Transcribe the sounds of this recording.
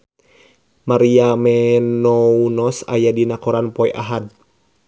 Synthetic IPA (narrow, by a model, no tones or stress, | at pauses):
maɾiamɛnɔunɔsa̰jadinakɔɾanpɔɛʔa̰ɦad̚